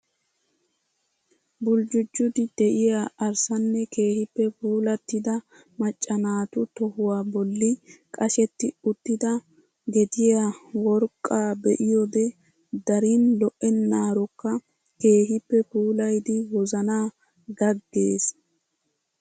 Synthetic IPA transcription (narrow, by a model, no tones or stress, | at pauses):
bʊld͡ʒʊd͡ʒːʊd̪ɪd̪ɛʔɪjaʔɐɾsɐnːɛke̞ːhɪpːɛpuːlɐt̪ːɪd̪ɐ | mɐt͡ʃʼːɐnaːt̪ʊt̪ɔhʊwaːbɔlːɪkʼɐʃɛt̪ːɪʊt̪ːɪd̪ɐ | ɡɛd̪ɪjawɔɾkʼːaːbɛʔɪjɔd̪ɛ | d̪ɐɾiːnlɔʔɛnːaːɾɔkːɐ | ke̞ːɦɪpːɛpuːlɐjd̪ɪwɔzɐnaː | ɡɐɡːe̞ːs